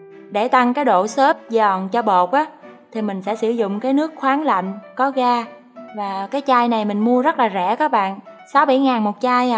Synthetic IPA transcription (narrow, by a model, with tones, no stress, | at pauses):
ɗe˧˩t̪a˧ŋkaː˨˦jɗo̰˧˨səː˦˥p̚zɔ˨˩nt͡ɕɔ˧ɓo˨˩t̚ʔaː˨˦t̪ʰi˨˩mï˨˩ŋ̟sɛ̰˧˥sɨ˧˩zʊ̰˧˨ŋ͡mkaː˨˦jnɨ˦˥ək̚xwaː˨˦ŋla̰˧˨ŋ̟kɔ˨˦ɣaː˧ | vaː˨˩kaː˨˦jt͡ɕaː˧jna˨˩jmï˨˩ŋ̟mu˧əzə˦˥t̚laː˨˩zɛ̰˧˩kaː˦˥k̚ɓa̰ː˧˨nsa˨˦wɓa̰˧˩jŋaː˨˩nmo˨˩t̚t͡ɕaː˧j